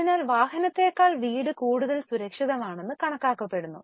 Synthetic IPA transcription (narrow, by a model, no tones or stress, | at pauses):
inaːlʋaːɦɐnɐt̪ːe̞ːkːaːɭʋiːɽɨkuːɽuðɐlsuɾɐkʂiðɐmaːɳe̞nːɨkɐɳɐkːaːkːɐpːe̞ɽunːṵ